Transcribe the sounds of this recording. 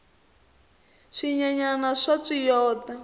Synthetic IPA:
ʂiɲaɲanaʂaʂijɔːt̪a

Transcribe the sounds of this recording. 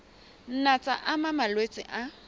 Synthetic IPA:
n̩nat͡sʼa̰ʔamamalwet͡sʼɪ̰ʔa

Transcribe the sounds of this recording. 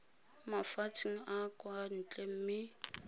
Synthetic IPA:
mafat͡sʰʼiŋ̩akʼwan̩t͡ɬʼem̩mɪ

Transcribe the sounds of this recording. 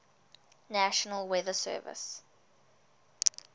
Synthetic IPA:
næʃənəlˠwɛðəsɜ̰ːvɪ̰s

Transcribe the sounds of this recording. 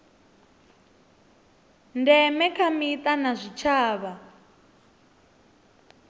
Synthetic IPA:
ndɛmɛkʰamitʼanazʷit͡ʃʰaːβa

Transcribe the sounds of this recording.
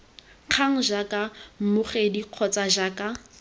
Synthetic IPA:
q͡χʰaŋ̩ʒakʼam̩mʊχediq͡χʰɔt͡sʼaʒaːkʼa

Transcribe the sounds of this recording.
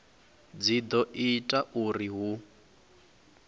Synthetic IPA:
d͡zid̪ɔʔitʼaʔuriɦu

